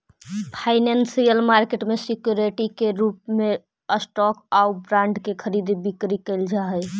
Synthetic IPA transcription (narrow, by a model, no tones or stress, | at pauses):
pʰaɪnansijəlmaɾkeʈmesikjuɾeʈikeɾupme | əsʈɔkaubɾãɳɖkekʰəɾid̪ibikɾikəɪld͡ʒaɦəj